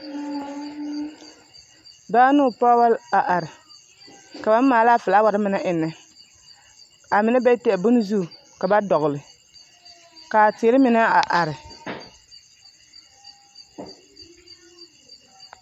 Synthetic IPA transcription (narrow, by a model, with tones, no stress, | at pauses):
baː˦nʊ˦˨pa˦wa˦la˨ʔa˨ɾɪ˨ | ka˨ba˦mː˦aː˨˦la˦fɨ˨la˦wa˦ɾɨ˦mɪ˦na˦ʔɪ˨nːɨ˦ | a˨mɪ˨nɨ˦bɛ˦tɛ˨bʊ˦n˦zu˦˨ | ka˨ba˦dɔ˨ɣʊ˨lɨ˨ | ka˨te˨˦ɾɪ˦mɪ˨na˦a˨ʔa˨ɾɪ˨